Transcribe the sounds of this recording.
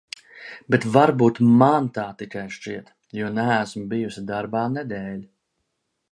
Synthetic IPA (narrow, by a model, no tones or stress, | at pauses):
bet̪vaɾbuːt̪mant̪aːt̪ikajʃt͡ʃiɛt̪ | juɔnææsmbijusid̪aɾbaːnɛd̪ɛːlʲ